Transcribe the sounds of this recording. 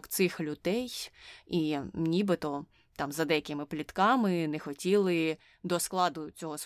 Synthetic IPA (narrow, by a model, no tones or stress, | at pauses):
kt̪sɪxlʲʊd̪ɛjinʲibɪt̪ɔ | t̪ɑmzɐd̪ɛjɐkɪmɪplʲit̪kɑmɪnexɔtʲilˠɪ | d̪ɔsklˠɑd̪ʊt͡sʲɔɦɔs